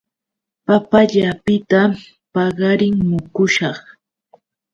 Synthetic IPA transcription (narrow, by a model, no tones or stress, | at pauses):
papaʎapɪt̪a | pɑɢɑɾɪŋmʊkʊʃɑχ